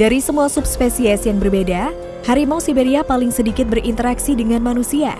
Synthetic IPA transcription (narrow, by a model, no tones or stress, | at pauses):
d̥aɾisəmuasup̚spesiɛsjaŋbərbeda | haɾimawsibeɾiapalɪŋsədikɪt̪̚bərʔint̪əɾaksidəŋanmanusia̰